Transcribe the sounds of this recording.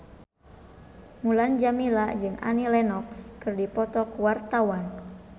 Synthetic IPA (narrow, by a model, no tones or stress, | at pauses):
muland͡ʒamilad͡ʒɨŋʔa̰nilɛnɔkskɨrdipɔt̪ɔkuwart̪awan